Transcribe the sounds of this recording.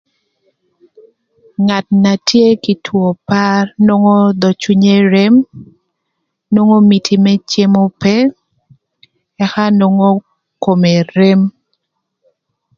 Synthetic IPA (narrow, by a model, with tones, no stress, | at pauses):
ŋa˨t̚na˨tje˦ki˨tʰwo˨pa˦rnwo˦ŋo˦d̪ɔ˨t͡ʃu˦ɲe˦ɾe˦m | nwo˦ŋo˦mi˨tʰi˨mɛ˦t͡ʃje˦mo˦pɛ˦ | ɛ˦xa˦no˦ŋo˦ | ko˨me˨ɾe˦m